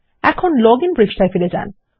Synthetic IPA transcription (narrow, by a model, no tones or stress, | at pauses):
ɛkʰonlɔɡinbɾid͡ʑʈajfiled͡ʑa̰n